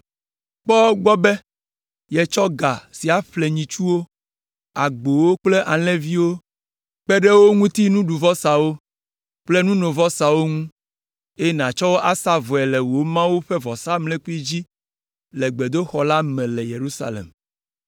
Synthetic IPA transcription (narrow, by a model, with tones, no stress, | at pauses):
k͡pɔ˦ɡ͡bɔ˦bɛ˦ | jɛ˨t͡ʃɔ˦ɡa˨si˨a˨ɸle˨ɲĩ˨t͡ʃu˦wo˦ | a˨ɡ͡bo˨wo˦k͡ple˦ʔa˨lɛ̃˦vi˦wo˦ | k͡pɛ˦ɖe˦wo˦ŋũ˦t̪i˦nũ˦ɖu˨vɔ˦sa˨wo˦ | k͡ple˦nũ˦nõ˨vɔ˦sa˨wo˦ŋũ˦ | e˦nã˨t͡ʃɔ˦wo˦ʔa˦sa˦vɔ˨ɛ˨lɛ˨wo˨˦mã˦wu˦ɸɛ˦vɔ˨sa˦mlɛ̃˦k͡pu˦i˦d͡ʑi˦ | lɛ˨ɡ͡be˨d̪o˦xɔ˨la˦mɛ̃˨lɛ˨je˨ɾu˦sa̰˨lḛ˨m